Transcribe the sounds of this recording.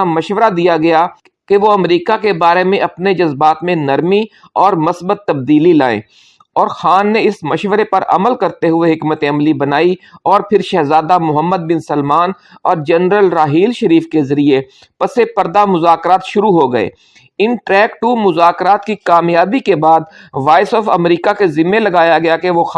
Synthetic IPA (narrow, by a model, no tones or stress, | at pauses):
amɐʃʋəɾad̪ijaɡɐja | keʋoɐmɾiːkakebaːɾemẽʔɐpned͡ʒɐzbaːt̪mẽnɐɾmi | ɔːɾmɐsbət̪ːɐb̚d̪iːlilaːḛ̃ː | ɔːɾxaːnːeɪsmɐʃʋəɾepɐɾʔɐ̰məlkɐɾt̪eɦʊeɦɪkmət̪eɐmlibɐnaːiɔːɾpʰɪɾʃɛːɦzaːd̪amʊɦəmːəd̪̚bɪnsɐlmaːn | ɔːɾd͡ʒɛnɾəlɾaːɦiːlʃɐɾiːfkezɐɾie | pɐsepɐɾd̪amʊzaːkɾaːt̪ʃʊɾuɦoɡɐḛː | ɪnʈɾɛːkʈuːmʊzaːkɾaːt̪kikaːmjaːbikebaːd̪ʋaːɪsɔːfɐ̰mɾiːkakezɪmːelɐɡaːjaɡɐjakeʋox